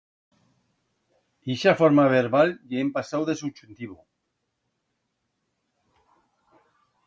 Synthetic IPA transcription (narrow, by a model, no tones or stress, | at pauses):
iʃafoɾmaβeɾβaljeempasawðesut͡ʃunt̪iβu